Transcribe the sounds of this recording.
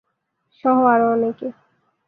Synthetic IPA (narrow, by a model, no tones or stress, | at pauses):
ʃɔɦwaɾɔneke